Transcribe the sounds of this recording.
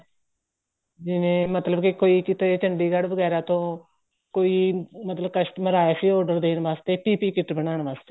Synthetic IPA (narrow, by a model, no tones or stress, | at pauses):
d͡ʒɪʋẽːmət̪ləbkɪkoːiːkɪt̪et͡ʃəɳɖiːɡəɽʋəɡɛːɾaːt̪õː | koːiːmət̪ləb̚kəʃʈməɾaːaːsiːɔːɖəɾd̪eːnʋaːst̪eːpiːpiːkɪʈbənaːɳʋaːst̪eː